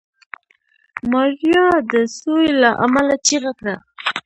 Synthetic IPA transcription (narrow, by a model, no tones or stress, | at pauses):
maɾjɑd̪əsojlaʔa̰malat͡ʃiɣakɽa